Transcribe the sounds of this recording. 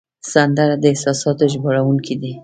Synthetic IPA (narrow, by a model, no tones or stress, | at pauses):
sand̪aɾad̪əɪhsɑsɑt̪oʒboɽawuŋkʰid̪i